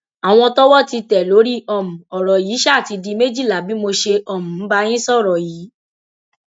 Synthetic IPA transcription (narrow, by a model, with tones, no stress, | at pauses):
a˨w̃ɔ̃˧tɔ˦wɔ˦˨ti˧tɛ˨lo˨˦ɾi˦ɔ˨mũ˨ɔ˨ɾɔ˨jiː˨˦ʃɛ˦˨ti˧di˧me˦d͡ʒi˦˨la˨˦bi˦mo˧ʃe˧ɔ˨mũ˨m̩˦ba˧j̃ĩ˦sɔ˦˨ɾɔ˨jiː˨˦